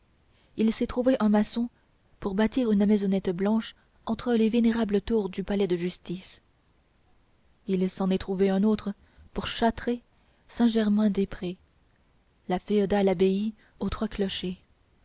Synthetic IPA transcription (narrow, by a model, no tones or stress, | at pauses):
ilsɛt̪χuveʔɛ̃masɔ̃ | puʁbat̪iʁynmɛzɔnɛt̪blɑ̃ʃ | ɑ̃t̪χəleveneʁablət̪uːʁd̪ypalɛd̪əʒyst̪is | ilsɑ̃nɛt̪χuveɛ̃not̪χə | puʁʃat̪χe | sɛ̃ʒɛʁmɛ̃d̪epχe | lafeɔd̪alabei | ot̪χwaklɔʃe